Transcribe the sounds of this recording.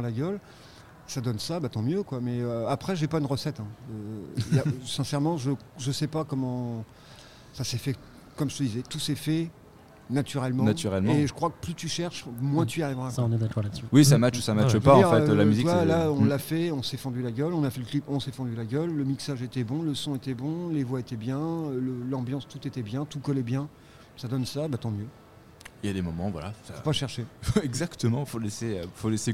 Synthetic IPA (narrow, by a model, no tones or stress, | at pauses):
laɡʲœl | sad̪ɔnsabat̪ɑ̃mjøkwamɛøapχɛʒepaynʁəsɛt̪ɛ̃øjasɛ̃sɛʁmɑ̃ʒəʒəsɛpakɔmɑ̃ | sasɛfɛ | kɔmʒə̥t̪əd̪izɛt̪usɛfɛ | nat̪yʁɛlmɑ̃nat̪yʁɛlmɑẽʒəkχwakə̥plyt̪yʃɛʁʃmwɛ̃t̪ʰyaʁivʁãnɛd̪akɔʁladsywis̬amat͡ʃsamat͡ʃpãifʁɛt̪lamyzikwalaɔ̃lːafɛɔ̃sɛfɑ̃d̪ylaɡʲœlɔ̃nafɛləklipɔ̃sɛfɑ̃d̪ylaɡʲœlːəmiksaʒet̪ɛbɔ̃ləsɔ̃et̪ɛbɔ̃levwaet̪ɛbjɛ̃øləlɑ̃bjɑ̃st̪ut̪et̪ɛbjɛ̃t̪ukɔlɛbjɛ̃ | sad̪ɔnsabat̪ɑ̃mjø | ejad̪emɔmɑ̃vwa̰la̰sapaʃɛʁʃefɛɡzakt̪əmɑ̃foleseøfolese